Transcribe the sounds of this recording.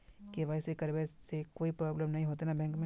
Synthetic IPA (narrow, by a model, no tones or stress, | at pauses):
keʋɐsekɐɾʋesekoːipɾɔːbləmnɐɦĩɦoːt̪enabʱɛ̃ŋkmẽ